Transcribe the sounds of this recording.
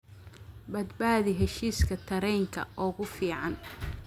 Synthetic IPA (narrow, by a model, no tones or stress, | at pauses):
bɐd̪baːðɪɦɛʃiːskʰɐt̪ʰɐɾɛjŋkʰɐ̰ʔɔːɣʊfiːʕɑn